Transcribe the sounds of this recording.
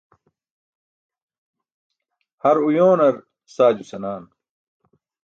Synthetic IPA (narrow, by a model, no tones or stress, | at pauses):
hɐɾujoːnɐɾ | saːd͡ʑusɐnaːn